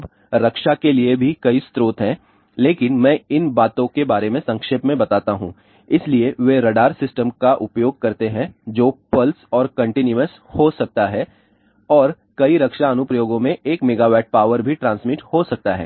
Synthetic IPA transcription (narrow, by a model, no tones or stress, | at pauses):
b | ɾɐkʃakeliebʱikɐist̪ɾoːt̪ɦɛ̃ | leːkɪnmɛ̃ːɪnbaːt̪õkebaːɾemẽsɐ̃ŋkʃeːpmẽbɐt̪aːt̪aɦṵ̃ː | ɪslieʋeɾɐɖaːɾsɪsʈəmkaʔʊpjoːɡ̚kɐɾt̪eɦɛ̃d͡ʒoːpɐlsɔːɾkɐ̃ɳʈɪnjuəs | hosɐk̚t̪aɦɛ | ɔːɾ | kɐiɾɐkʃaɐnʊpɾəjoːɡõmẽeːkmeːɡaːʋɛːʈ̚paːʋəɾbʱiʈɾãːnsmiʈhosɐk̚t̪aɦɛ̰ː